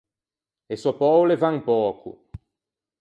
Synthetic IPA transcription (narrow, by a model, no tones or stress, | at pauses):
esɔpɔwlevaŋpɔːkʰṵ